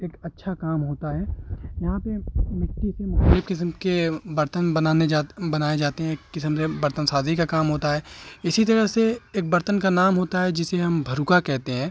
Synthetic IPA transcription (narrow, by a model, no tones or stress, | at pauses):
eːkɐtːʃʰakaːmɦoːt̪aɦɛːjɐɦãpemɪkʈːisemʊeːpkɪsəmkebɐɾt̪ənbɐnaːned͡ʒabɐnaːed͡ʒaːt̪eɦɛ̃kːɪsəmsebɐɾt̪ənsaːzʱikakaːmɦoːt̪aɦɛːɪsit̪̬ɐɾəɦseeːk̚bɐɾt̪ənkanaːmɦoːt̪aɦɛd͡ʒɪseɦɐmbʱɐɾukakɛɦt̪eɦɛ̃ː